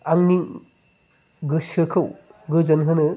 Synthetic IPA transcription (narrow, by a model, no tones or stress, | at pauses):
aŋni | ɡɯsɯkʰɯwɡɯd͡ʒɐnɦɯnɯ